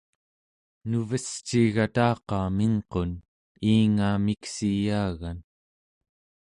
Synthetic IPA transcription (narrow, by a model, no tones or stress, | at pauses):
nuvəst͡ʃːiːɣat̪ɑːqɑːmiŋqo̞n | iːŋaːmiksijaːɣan